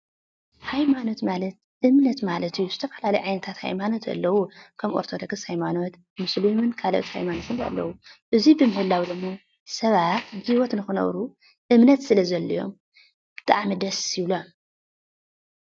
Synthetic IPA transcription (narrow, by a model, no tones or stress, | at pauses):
hajmano̞t̪malɐt̪̚ | ʔɨmnɐt̪malɐt̪ʰijːuzɨt̪ʰɐfɐlalɐjʕajnɐt̪ʰat̪ha̰jmano̞t̪ʰɐ̰lːɐwukʰɐmʔo̞̰ɾt̪ʰod̪oɡɨshajmano̞t̪ | mɨslumɨnkʰaloʔt̪ha̰jmanot̪ʰɨnɐ̰lːɐ̰wuʔɨzibɨmɨhɨlːawd̪ɨmːo | sɐβat̪ɡiwɔt̪nɨxɨnɐ̰βɾu | ʔɨmnɐt̪sɨlɐzɐlːɐjo̞̰m | b̥ɨ̥t̪ʼa̰ʕmid̪ɐsiβlom